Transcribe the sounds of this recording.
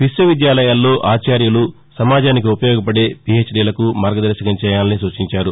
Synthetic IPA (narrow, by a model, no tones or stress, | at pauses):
pisɐʋid̪jaːlɐjaːlːo̞ːʔaːt͡ʃaːɾjulu | sɐmaːd͡ʒaːnik̬iupɐjɔːɡɐpɐɽe̞ːpie̞ːt͡ʃɖilɐkumaːɾɡɐd̪ɐɾʃɐkɐɲt͡ʃɛːjaːlɐnisuːt͡ʃiɲt͡ʃaːɾu